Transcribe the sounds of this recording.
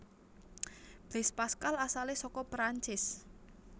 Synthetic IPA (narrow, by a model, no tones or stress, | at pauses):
b̥ɛspaskalasalesɔkɔpɾaɲt͡ʃɪs